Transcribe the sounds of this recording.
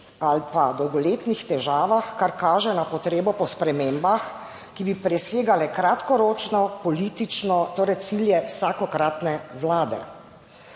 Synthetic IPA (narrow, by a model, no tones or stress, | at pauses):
alpad̪ɔwɡɔleːt̪nixt̪ɛʒaːʋaxkaɾkaːʒɛnapɔt̪ɾeːbɔpɔspɾɛmeːmbax | kibipɾɛseːɡalɛkɾat̪kɔɾoːt͡ʃnɔpɔlit̪it͡ʃnɔt̪oːɾɛjt̪siljɛwsakɔkɾat̪nɛʋlaːd̪ɛ̰